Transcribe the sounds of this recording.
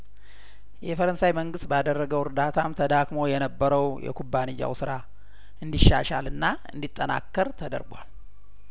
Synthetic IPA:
jɛfəɾənsajməŋɡɨst̪bad̪ərːəɡəwɨɾd̪at̪ʰamt̪ʰəd̪akmo̞jɛnəbːəɾəwjɛ̰kʰubːanɨjːa̰wsɨɾa | ɨnd̪iʃːa̰ʃalɨnːaɨnd̪it̪ʼːəna̰kːəɾt̪ʰəd̪ə̰ɾɡwal

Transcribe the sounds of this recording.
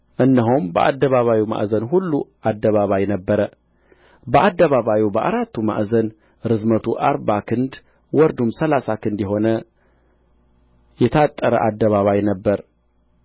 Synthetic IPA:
ʔɨnːəɦumbə̰ʔa̰d̪ːəβaβawima̰ʔzənɦulːuʔad̪ːəβaβajnəbːəɾə | bəʔad̪ːəβaβawibəʔa̰ɾat̪ʰːuma̰ʔzən | ɾɨzmət̪ʰuʔaɾbakʰɨnd̪ | wɔɾd̪umsəlasakʰɨnd̪jɛɦo̞nə | jɛt̪ʰat̪ʼːəɾə̰ʔad̪ːəβaβajnəbːəɾ

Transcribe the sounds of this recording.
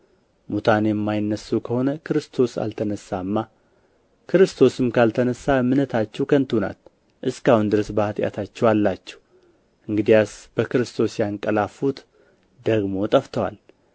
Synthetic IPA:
mut̪ʰanjɛmːajɪnːəsːuwkʰəho̞nəkʰɨɾɨst̪ʰo̞sa̰lt̪ʰənəsːaɨmːa | kʰɨɾɨst̪ʰo̞sɨmkʰalt̪ʰənəsːaɨmɨnət̪ʰat͡ʃːɛwkʰənt̪ʰuna̰t̪ | ʔɨskahund̪ɨɾəsbəhat̪ʼja̰t̪ʰat͡ʃːɛwalːat͡ʃːɛ̥w | ʔɨŋɡɨd̪ijasb̥əkɨɾɨst̪ʰo̞sjaŋkʼːəlafut̪ | d̪əɡmo̞t̪ʼəft̪ʰəwa̰l

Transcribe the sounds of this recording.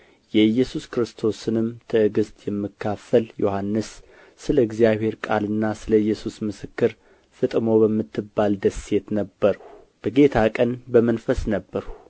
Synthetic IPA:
jɛɨjːɛsuskɾɨst̪ʰo̞sɨnɨmt̪ʰɨɨɡɨst̪ʰʼjɛmːɨkʰːafəljo̞hanːɨsː | ɨləɨɡzijaβhe̞ɾkʼalɨnːasɨləɨjːɛsusmɨsɨkːɨɾ | fɨt̪ʼmo̞bəmːɨt̪ʰːɨbːald̪əsːe̞t̪nəbːəɾəh | b̥əɡe̞t̪ʰakʼənbəmənfəsnəbːəɾu

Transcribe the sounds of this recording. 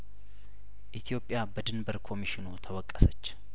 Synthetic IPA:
ʔit̪ʰijo̞pʼjabəd̪ɨnbəɾkʰo̞miʃɪnut̪ʰəwəkʼːəsət͡ʃː

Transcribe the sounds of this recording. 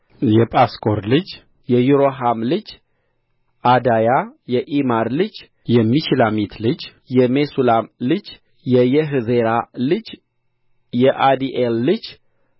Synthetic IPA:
jɛpʼaskʼoɾlɨd͡ʒ | jɛjuɾoɦamlɨd͡ʒ | ad̪ajajɛʔimaɾlɨd͡ʒ | jɛmːiʃilamit̪ʰlɨd͡ʒ | jɛmesulamlɨd͡ʒ | jɛjɛɦzeɾalɨd͡ʒ | jɛʔad̪iʔelːɨd͡ʒ

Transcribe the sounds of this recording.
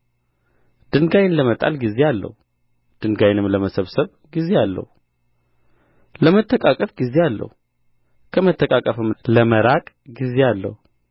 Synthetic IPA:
d̪̥ɨŋɡajnləmət̪ʼa̰lɡize̞alːə̰hu | d̪̥ɨnɡajnɨmləməsəβsəβ | ɡize̞alːə̰hu | ləmət̪ʰːəkʼakʼəfɡizealːə̰hu | kʰəmət̪ʰːəkʼakʼəfɨmləməɾakʼ | ɡize̞alːə̰hu

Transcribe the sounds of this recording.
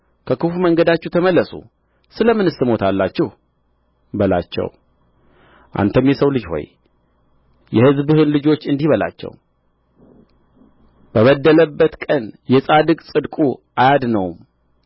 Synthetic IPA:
kʰəkɨfuməŋɡəd̪at͡ʃːɛht̪ʰəməlːəsṵ | sɨləmːɨnɨsɨmo̞t̪ʰalːat͡ʃːɛh | bəla̰t͡ʃːɛ̰w | ʔa̰nt̪ʰəmjɛsəwlɨd͡ʒho̞̰j | jɛhɨzbɨhɨnlɨd͡ʒo̞t͡ʃːɨnd̪ihβəla̰t͡ʃːɛ̰w | b̥əβəd̪ːələbːət̪kʼənjɛsʼad̪ɨkʼsʼɨd̪kʼuʔajad̪nəwm

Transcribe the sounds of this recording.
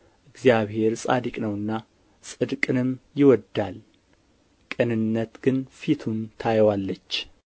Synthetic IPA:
ʔɨɡzjaβhe̞ɾsʼa̰d̪ikʼnəwɨnːa | sʼɨd̪kʼɨnɨmjɪwɔd̪ːal | kʼɨnɨnːət̪ɡ̥ɨnfit̪ʰunt̪ʰajwalːət͡ʃː

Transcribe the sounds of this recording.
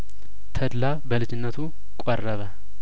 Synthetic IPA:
t̪ʰəd̪la | bəlɨd͡ʒɪnːət̪ʰu | kʼɔrːəβə

